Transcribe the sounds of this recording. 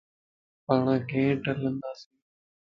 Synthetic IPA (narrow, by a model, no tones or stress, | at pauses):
pəɳɡẽːʈələ̃nd̪aːsĩː